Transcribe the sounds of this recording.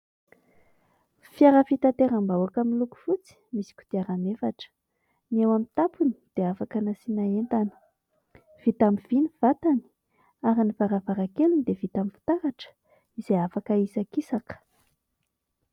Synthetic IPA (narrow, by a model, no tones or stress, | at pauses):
fjaɾəfit̪at̪eɾambawakamiluku̥fut͡si̥misi̥kʲu̥d̪̥iaɾanefaʈ͡ʂə̥ | niewamint̪apuni̥d̪̥eafakənasinaent̪anə̥ | v̥it̪amiv̥iniv̥at̪ani̥ | aɾinivaɾavaɾakelunid̪evit̪amifi̥t̪aɾaʈ͡ʂə̥ | iz̥eafakəisakisakə̥